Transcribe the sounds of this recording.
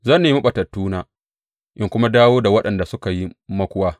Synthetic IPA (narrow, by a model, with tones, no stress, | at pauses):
zɐ˦nːeː˨mɐ˦ɓɐ˨tɐ˨tːuː˦naː˨ | ʔɪ˦ŋkʷʊ˦ma˦daː˦woː˦da˨wɐ˦ɗɐ˨nda˨sʊ˦ka˨ji˦mɐ˦kʷʊ˦waː˦